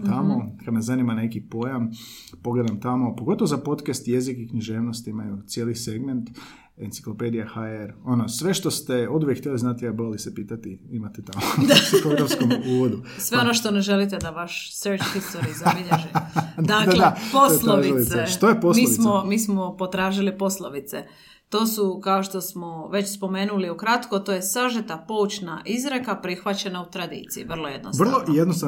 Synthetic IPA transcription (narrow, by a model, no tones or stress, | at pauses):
t̪amo̞kad̪nazanimane̞kipo̞jam | po̞ɡled̪amt̪amo̞poɡo̞t̪oʋozapo̞t̪kest̪je̞zikikɲiʒe̞ːʋnost̪imajut̪sjeːlise̞ɡment̪ | ent̪i̥klo̞pe̞d̪ijaxaeɾo̞nosʋe̞ʃt̪ost̪eod̪uʋjekːt̪jeliznat̪jaboɾelisepiːt̪at̪iimat̪et̪amoesixoɡɾafsskomuːʋod̪usʋeonoʃt̪oneʒelit̪ed̪aʋaʃseɾt͡ʃxist̪oɾizabiʎeʒed̪akd̪aposlˠoiiseʃt̪ojeposmiːsmomiːsmopo̞t̪ɾaːʒilipo̞slˠoʋit̪sḛ | t̪o̞ːsukaoʃt̪o̞smoʋe̞t͡ɕspo̞meːnuliukɾat̪kot̪oːjesaʒet̪apo̞ut͡ɕnaʔizɾekapɾixʋat͡ɕe̞naut̪ɾad̪ḭːt̪sijḭʋr̩lˠojed̪nosʋr̩lˠoʔijed̪nost̪a